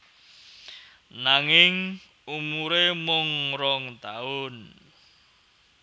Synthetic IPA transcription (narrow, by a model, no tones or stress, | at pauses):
naŋɪŋ | umuɾemʊŋɾɔŋt̪aʊn